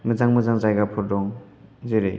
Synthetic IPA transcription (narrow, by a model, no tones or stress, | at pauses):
mɯzaŋmɯzaŋzajɡapʰɔɾdɔŋ | zeɾɯ̰j